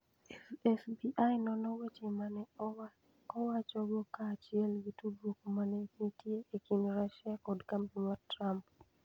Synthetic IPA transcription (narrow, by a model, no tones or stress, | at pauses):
ɛsbiʔajnɔnɔwet͡ʃemanɛ | ɔwat͡ʃɔɡɔkaːt͡ʃɪɛlɡitudwokomanɛnitjeʔekinɾaʃakɔdkampimɔtɾamp